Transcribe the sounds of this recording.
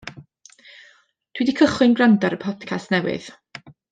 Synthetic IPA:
d̥widikʰəχɨnɡrandaɾəpʰɔdkʰastnɛwɨ̰ð̥

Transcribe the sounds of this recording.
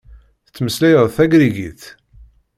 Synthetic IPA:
θət͡sːməslæjəðˤθæɡɾiɡḭθ

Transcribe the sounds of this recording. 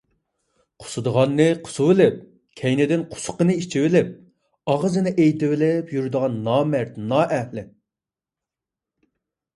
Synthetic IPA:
qʰʊ̥sɨd̪əʁɑnːɨqʰʊ̥suwɪlɪp̚ | kʲʰɛjnɪd̪ɪnqʰʊ̥sʊ̥qənɨit͡ʃʰiwɪlɪp̚ | ɑʁəzɨnɨʔejt̪ɪwɪlɪpjyɾd̪əʁɑnːɑːmæɾt̪nɑːʔæhlɪ

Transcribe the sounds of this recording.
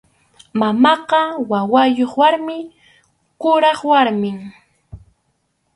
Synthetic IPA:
mamɑqɑwawajoχwaɾmɪ | kʊɾɑχwaɾmɪŋ

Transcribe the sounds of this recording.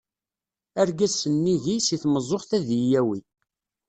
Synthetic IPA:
æɾɡæsːənːiʝisiθməzˤːoχθæðijæwi

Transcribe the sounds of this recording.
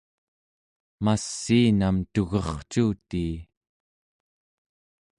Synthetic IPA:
masːiːnamt̪uɣʌχt͡ʃuːt̪iː

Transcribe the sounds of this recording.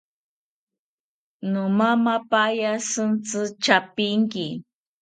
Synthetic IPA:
nʊmamapajasɨnt͡sɨt͡ʃapiŋki

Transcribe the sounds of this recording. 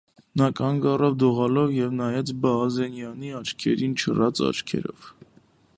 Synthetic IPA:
nɑkʰɑŋɡɑrɔvd̪uʁɑlɔvjɛvnɑjɛt͡sbɑːzɛnjɑniɑt͡ʃʰkʰɛɾint͡ʃʰərɑt͡sɑ̰t͡ʃkʰɛ̰ɾɔ̰v

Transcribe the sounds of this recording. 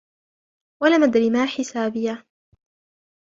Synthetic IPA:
walamad̪ɾɪmaːħɪsaːbɪja

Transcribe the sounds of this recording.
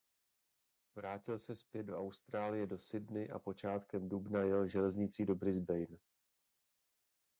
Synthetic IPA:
vɾaːcɪlsɛspjɛd̪̚do̞awst̪ɾaːlɪjɛdo̞sɪdnɪʔa̰po̞t͡ʃaːt̪kɛmdubnajɛlʒɛlɛzɲɪt͡siːdo̞bɾɪzbɛjn

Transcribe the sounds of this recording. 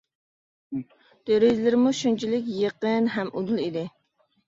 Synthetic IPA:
d̪̥øɾizlɪɾmuʃunt͡ʃʰilɪk̬ʲjəqənɦɛmʔud̪ulˠid̪ɪ

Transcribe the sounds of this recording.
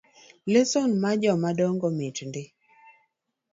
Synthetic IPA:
lesonmad͡ʒɔmadɔŋɡɔmɪt͡ʃndɪ

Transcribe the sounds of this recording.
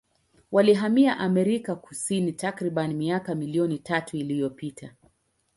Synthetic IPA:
waliɦamiaʔamɛɾikaku̥sinitakɾiɓanimiakamiliɔnitʰatuilijɔpitʰa

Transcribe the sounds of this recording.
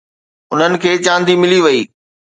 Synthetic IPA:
ʊn̤ənɪ̆kʰeːt͡ɕãːnd̪ʱimɪliʋɐiː

